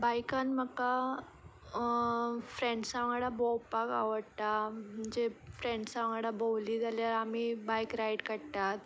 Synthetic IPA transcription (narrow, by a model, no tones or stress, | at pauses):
bajkãnməka | fɾeɳɖsaʋŋɡaɽabowpaka̰ʋəɽt̪am̤əɳd͡zefɾeɳɖsaʋãŋɡɽabowliːd͡zaljaɾamibajkɾajɽkəɽt̪at̪̚